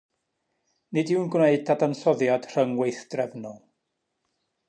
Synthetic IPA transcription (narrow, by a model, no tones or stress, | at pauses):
nɪdɪwnɡwneɨdadanɬɔðjad̥r̥əŋwejθd̥rɛvnɔlˠ